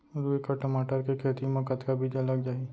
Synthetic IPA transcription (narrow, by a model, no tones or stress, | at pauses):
ɾuekaʈɐmaːʈəɾkekʰeːt̪imakət̪kabʱid͡ʒɐləɡd͡ʒaːi